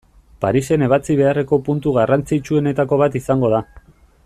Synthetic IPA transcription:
paɾise̞ne̞β̞at͡siβ̞e̞are̞ko̞punt̪uɣarant͡sit͡ʃue̞ne̞t̪ako̞β̞at̪isaŋɡo̞ð̞a

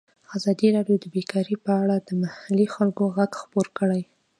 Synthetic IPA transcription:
azɑd̪iɾɑɖjod̪əbekɑɾipəaɽad̪əmahalixalkoɣaɡxpoɾkəɽaj

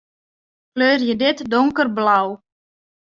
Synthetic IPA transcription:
kløːrjədɪtdʊŋkərblaw

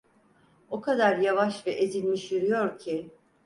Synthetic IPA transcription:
o̞kʰad̪aɾjavaʃvɛʔezilʲmiʃjyɾyjo̞ɾcʰi

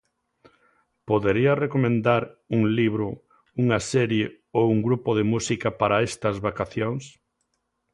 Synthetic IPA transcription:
poðeɾiɐrekomẽnd̪aɾuŋliβɾʊ | uŋɐsɛɾje | owuŋɡɾupoðemusikɐpaɾɐest̪ɐzβakaθjoŋs

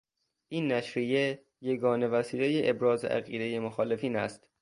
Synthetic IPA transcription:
ʔiːnːæʃɾije | jeɡɒːne̞væsiːlejeʔebɾɒːzḛʔæ̰ɣiːd̪e̞jemoxɒːle̞fiːnæ̰st̪

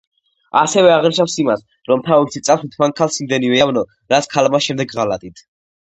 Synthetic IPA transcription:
asɛvɛaʁniʃafsimas | ɾɔmt̪ʰavɔbt̪sʰit̪sʼasit̪ʰmankʰalˠsimd̪ɛnivɛavnɔ | ɾat̪sʰkʰalmaʃɛmd̪ɛɡʁalat̪ʼit̪ʰ

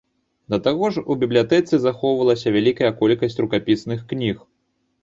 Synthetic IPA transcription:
d̪ɐt̪aɣɔʂubʲiblʲjat̪ɛt̪sɨzaxɔwvɐlˠɐsʲɐvʲalʲikɐjɐkɔlʲkɐsʲt͡sʲrukapʲisnɨxknʲix

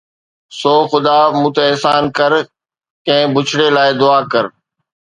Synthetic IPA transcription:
soːxʊd̪amũːt̪eɛɦsaːnkəɾ | kɐ̃ɦɪ̃bʊt͡ʃʰɽelaːɪd̪ʊaːkəɾ

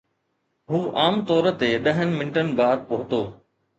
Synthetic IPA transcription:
ɦuːʔaːmt̪ɔːɾə̆t̪eɗɐɦənɪ̆mɪ̃nɪʈənɪ̆baːd̪̚pɐɦʊt̪oː

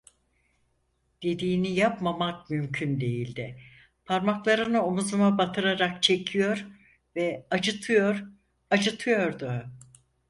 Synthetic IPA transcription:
d̪̥e̞d̪iːnijapmamak̚mymcʰynd̪e̞jilʲd̪ɪ | pʰaɾmaklˠaɾɯnɯo̞muzumabat̪ʰɯɾaɾak̚t͡ʃʰe̞cʰijo̞ɾ | vɛad͡ʒɯt̪ʰɯjo̞ɾ | ad͡ʒɯt̪ʰɯjo̞ɾd̪ʊ

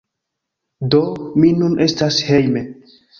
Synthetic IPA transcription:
dominunʔe̞stashe̞jme̞

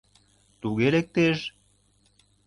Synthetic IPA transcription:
t̪uɣelek̚t̪eʃ

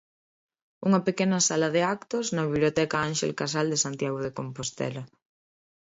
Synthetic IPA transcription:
uŋɐpekenɐsalɐðeakt̪oznɐβiβlijot̪ɛkɐanʃḛlkas̬ald̪esant̪jaɣoðekompost̪ɛ̰lɐ

